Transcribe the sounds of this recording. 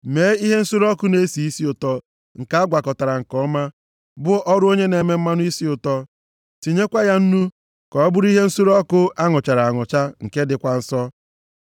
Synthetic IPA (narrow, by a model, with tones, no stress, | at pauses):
me˨˦i˦ɦe˦n̩˦su˦ɾɔ˦kʊ˦ne˦si˨i˦si˦ʊ˨tɔ˦ | ŋ̩˨ka˦a˦ɡʷa˨kɔ˨ta˨ɾa˨ŋ̩˨kɔ˦ma˦ | bʊ˦ʔɔ˦ɾʊ˦o˦ɲe˦ne˨˦me˦m̩˦ma˦nʊ˦i˦si˦ʊ˨tɔ˦ | ti˨ɲe˦kʷa˦ja˦n̩˦nu˦ | kɔ˨ɔ˦bʊ˦ɾi˦ɦe˦n̩˦su˦ɾɔ˦kʊ˦a˦ŋʊ˨t͡ʃa˨ɾa˨a˨ŋʊ˨t͡ʃa˦ŋ̩˨ke˦dɪ˨kʷa˦n̩˦sɔ˦